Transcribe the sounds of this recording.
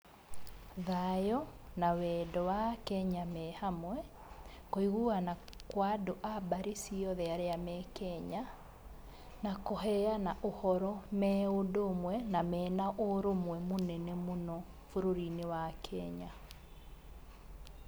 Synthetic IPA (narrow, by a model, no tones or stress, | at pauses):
ðajɔnawɛːdɔwakɛɲamɛːhamwɛ | koiɣuanakwadoʔabaɾesiɔðɛaɾeamɛkɛɲa | nakoɦɛanaʔohɔɾɔmɛodomwɛnamɛːnaʔoɾomwɛmonɛnɛmonɔ | foɾoɾinewakʰɛɲa